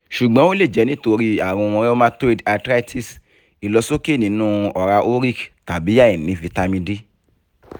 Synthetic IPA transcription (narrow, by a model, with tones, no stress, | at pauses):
ʃu˨ɡ͡bɔ̃˨˦o˦le˦˨d͡ʒɛ˨˦nĩ˦to˧ɾi˦a˦˨ɾ̃ũ˧ɔ̃˧ɾɛ˦o˦mã˦te˦˨da˧tɾa˦i˦tʰi˦˨s | i˨lɔ˧so˦ke˦˨nĩ˨˦nũ˦ɔ˨ɾa˧ʔo˦ɾi˦˨kta˨bi˨˦ja˦˨ĩ˨nĩ˨˦vi˧ta˧mĩ˧di˦